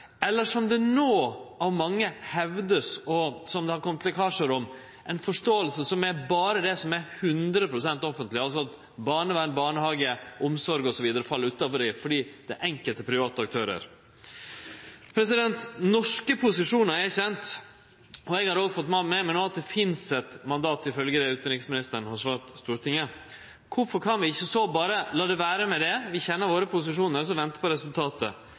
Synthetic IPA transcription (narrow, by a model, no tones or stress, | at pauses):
ɛlːəʂɔmd̪ɛnoːɑʋmɑŋːəhɛʋd̪əsɔsɔmd̪ɛhɑɾkʰɔmt̪ʰkʰɑːʂəɾʊm | ʔɛnfɔʂʈoːəlsəsɔmæɾbɑːɾəd̪ɛsɔmæɾhʉnd̪ɾəpɾʊsɛnt̪ɔfənt̪lɪɑls̬ɔɑt̪ | bɑːɳəʋænbɑːɳəhɑːɡəɔmsɔɾɡɔsɔʋiːd̪əɾəfɑlːəɾʉːt̪ɑfɔɖɪfɔɖiːd̪ɛʔɛŋkəlt̪əpʰɾɪʋɑːt̪əɑk̚t̪ʰøːɾə̰ɾ | pʰɾɛsɪd̪ɛnt̪nɔʂkəpʰʊsɪʂuːnəɾɛçɛnt̪ | ɔɛɡhɑɾoːɡfɔt̪ːmɑmɛmɛnoːɑt̪̚d̪ɛfɪnsɛt̪mɑnd̪ɑːt̪ɪfœlɡəd̪ɛʉːt̪əɾɪksmɪnɪst̪əɳ̩hɑʂʋɑːɾt̪st̪uːɾt̪ʰɪŋːə | kʰʊfɔɾkʰɑnʋɪɪçːəsobɑːɾəlɑːd̪ɛʋæːɾəmɛd̪ɛʋɪçɛnːəɾʋoːɾəpʰʊs̬ɪʂuːnəɾɔs̬ɔʋɛnt̪ə̥pɔɾɛsʉlt̪ʰɑːt̪ə